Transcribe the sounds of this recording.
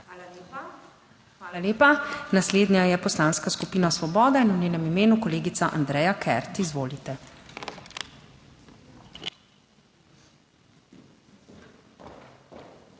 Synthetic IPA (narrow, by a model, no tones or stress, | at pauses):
xaːla | xʋaːlaleːpanasleːd̪njajɛpɔslaːnskaskupiːnasʋɔbɔːd̪ainunʲeːnɛmimeːnukɔleːɡit̪saʔa̰nd̪ɾɛjakʰɛ̰ɾt̪izʋoːlit̪ɛ